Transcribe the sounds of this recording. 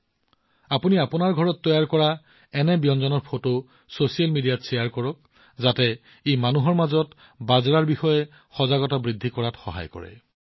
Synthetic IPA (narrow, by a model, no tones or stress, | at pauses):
apuniapunaɹɡʱɔɹɔtːɔjaɹkɔɹa | ɛnɛbijɔnzɔnɔɹpʰoto | sosialmidijatsɛjaɹkɔɹɔk̚ | zatɛ | ejmanuɦɔɹmazɔt | bazɔɹaɹbixɔjɛ | xɔzaɡɔtabɹidʱːikɔɹatxɔ̰ɦa̰jkɔ̰ɹɛ̰